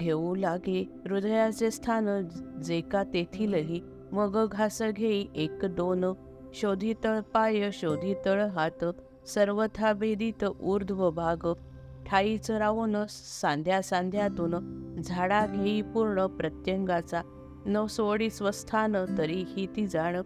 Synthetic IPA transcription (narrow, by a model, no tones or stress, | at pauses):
ɡʱeʋũlaɡi | ɾud̪əjat͡sest̪ʰanəd͡zekat̪et̪ʰiləɦi | məɡəɡʱasəɡʱeiʔekd̪on | ɕod̪ʱit̪əɭpajəɕod̪ʱit̪əɭɦat̪ | səɾʋət̪ʰabed̪it̪ʔuɾd̪ʱʋəbʱaɡ | ʈʰait͡səɾaʋon | sãnd̪ʱjasãnd̪ʱjat̪uːnd͡zʱaɽaɡʱeipuɾɳəpɾət̪jəŋɡat͡sa | nəʋsoɽisʋəst̪ʰanət̪əɾihit̪id͡zaɳə